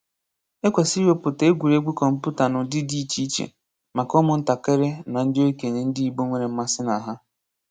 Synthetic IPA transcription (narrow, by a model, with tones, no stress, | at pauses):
e˦kʷe˨si˦o˦pʊ˨te˦ɡʷu˨ɾe˦ɡ͡bu˦kɔ˨m̩˦pu˦ta˨nʊ˨dɪ˦di˦t͡ʃi˦t͡ʃḛ˨ | ma˨kɔ˦mʊ˨n̩˦ta˨ke˦ɾe˦na˨n̩˦dɪ˦o˦i˦ke˨ne˨n̩˦dɪ˦i˦bo˦ŋʷe˦˨ɾe˨m̩˦ma˦sɪ˦na˨ɦa˦